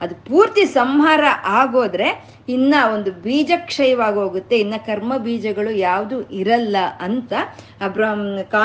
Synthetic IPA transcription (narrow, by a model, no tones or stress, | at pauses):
ɐd̪upuːɾt̪isɐmɦaːɾɐʔaːɡoːd̪ɐɾe̞ | inːɐo̞nd̪ubiːd͡ʒɐkʂɐjɐʋaːɡɦo̞ːɡut̪ːe̞inːɐkɐɾmɐbiːd͡ʒɐɡɐɭujaːʋd̪uʔiɾɐlːɐʔɐnt̪ɐ | bɾɐkaː